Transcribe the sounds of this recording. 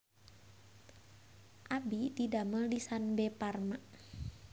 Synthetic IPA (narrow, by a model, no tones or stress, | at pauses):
ʔabididaməldisanbɛparmaʔ